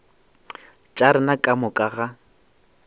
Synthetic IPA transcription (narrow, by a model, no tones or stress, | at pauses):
t͡ʃʼaɾɪnakʼamʊkʼaɣa